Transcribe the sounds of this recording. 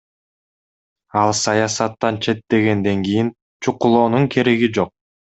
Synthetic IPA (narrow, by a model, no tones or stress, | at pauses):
ɑlˠsɑjɑsɑt̪ːɑnt͡ʃʰe̞t̪ːe̞ɡe̞nd̪e̞ŋɡijin | t͡ʃʰuqulˠo̞ːnuŋkʰe̞ɾe̞ɡid͡ʒo̞q̚